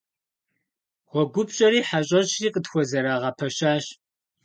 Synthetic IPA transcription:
ʁʷɔɡʷʊpɕʼɐɾiːħaɕʼɐɕiːqətxʷɔzɐɾaːʁɐpʰɐɕaːɕ

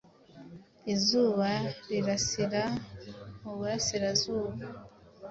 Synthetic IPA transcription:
izuːβaɾiɾasiɾa | muβuɾasiɾazuːβa

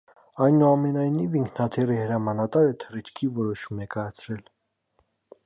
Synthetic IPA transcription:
ɑjnuɑmɛnɑjniviŋkʰnɑt̪ʰɛrihəɾɑmɑnɑt̪ɑɾət̪ʰərit͡ʃʰkʰivɔɾɔʃumɛkɑjɑt͡sʰɾɛl

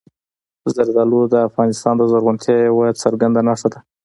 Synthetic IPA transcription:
zaɾzalod̪əafɣɑnɪst̪ɑnd̪əzaɾɣʊnt̪ʰjɑɪwɑjd̪səɾɡand̪anaʂt̪ad̪a

